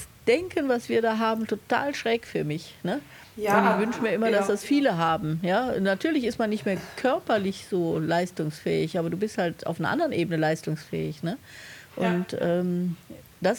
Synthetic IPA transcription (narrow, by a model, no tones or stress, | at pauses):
sd̥ɛŋkənvasv̥iːɐdaːɦaːbm̩tʰota̰ːlʃʁ̥ɛːkfyːɐmɪçnə | ʊntɪçv̥ʏnʃəmiːɐʔɪmɐdasd̥asfiːləɦaːbm̩jaːnatʰyːɐlɪçɪstmanːɪçtmeːɐkʰœɐpɐlɪçz̥oːlaɪstʊŋsfɛ̰ːɪçʔaːbɐduːbɪsthaltʔa̰ʊfnɐʔa̰ndəʁənʔeːbənəlaɪstʊŋsfɛ̰ːɪçnəʔʊntʔɛːm | d̥as